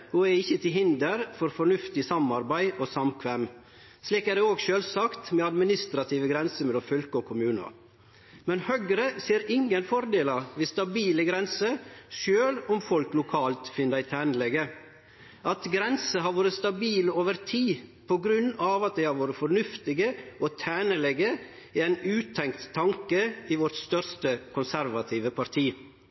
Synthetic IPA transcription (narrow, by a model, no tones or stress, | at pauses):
huːæɪçːət̪ʰɪlɦɪnd̪əɾfɔɾfɔɾɳʉft̪ɪsɑmɑɾbæɪʔosɑmkʰʋɛm | sliːkæɾɖɛoːɡʃøːlsɑkt̪mɛɑd̪mɪnɪst̪ɾɑt̪ʰiːʋəɡɾɛnsəmɛlɔmfœlkəɔkʰʊmʉːnə̰ | mɛnhœɡɾəseːɾɪŋənfɔɾd̪eːlɑɾʋɪst̪ɑbiːləɡɾɛnsəʃøːlʊmfɔlklʊkʰɑːlt̪fɪnd̪æɪt̪ʰæːnəlɛɡə | ʔɑt̪ɡɾɛnsəɦɑɾʋoːɾəst̪ɑbiːloːʋəɾt̪ʰiːpʰɔɡɾʉnːɑʋɑt̪̚d̪ɛɪhɑɾʋoːɾəfɔɾnʉft̪ɪɡəʔɔt̪ʰæːnəlɛɡə | iɛɪnʉːt̪ʰɛŋkt̪ʰːɑŋkəiʋɔɾʈst̪œɾst̪əkʰʊnsæɾʋɑt̪ʰiːʋəpʰɑɾt̪ʰiː